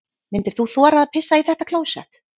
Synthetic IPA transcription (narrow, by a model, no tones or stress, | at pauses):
mɪnt̪ɪɾ̥θuθɔːɾaːðpʰɪsːaiθɛht̪akʰlowsɛ̰t̪